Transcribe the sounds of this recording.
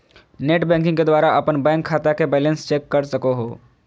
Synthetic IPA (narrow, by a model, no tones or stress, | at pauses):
neːʈbɛ̃ːŋk̬ɪ̃ŋked̪waːɾaʔɐpənbɛ̃ːŋkʰːaːt̪akebɛːlə̃nst͡ʃeːkːɐɾsɐkoɦoː